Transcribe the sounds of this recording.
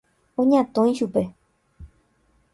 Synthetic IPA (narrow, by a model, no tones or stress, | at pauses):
õɲãt̪õj̃ʃupe̞